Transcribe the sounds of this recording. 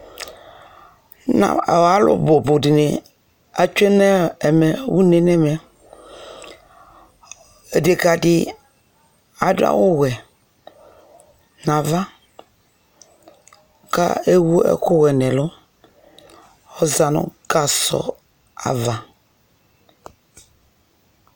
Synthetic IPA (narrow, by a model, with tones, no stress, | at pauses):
na̰˨wa˨˦lo̰˦bo˨bʊ˨di˨ni˨ | a˨t͡ʃe˦nɛ˦ɛ˨mɛ˨wu˦ne˨nɛ˦mɛ˨ | e˨de˨ka˨dɪ˨ | a˨dʊ˦a̰˦wʊ˦wɛ˨ | na˨va˦ | ka̰˦e˦wu˦ɛ̰˦kʊ˦wɛ˨nɛ˨lʊ˦ | ɔ˦za˨nʊ̰˦ɡa˨sɔ̰˨ | a̰˨va˨